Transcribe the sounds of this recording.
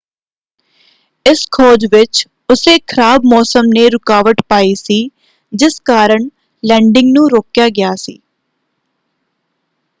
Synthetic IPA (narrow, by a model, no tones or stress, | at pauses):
ɪskʰɔːd͡ʒʋɪt͡ʃ | ʊseːkʰəɾaːbmɔːsəmneːɾʊkaːʋəʈpaːiːsiː | d͡ʒɪskaːɾəɳ | lɛ̃ːɳɖɪ̃ŋɡnũːɾoːkjaːɡɪjaːsḭː